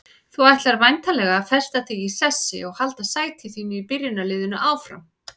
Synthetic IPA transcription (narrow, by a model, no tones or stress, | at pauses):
θuajht̪laɾvajnt̪alɛɣafɛr̥st̪aθiɣisɛsːɪ̰ɔɣhalt̪asaːjt̪ʰɪθiːnʏipɪrjʏnalɪːðʏnaʔaːwfɾa̰m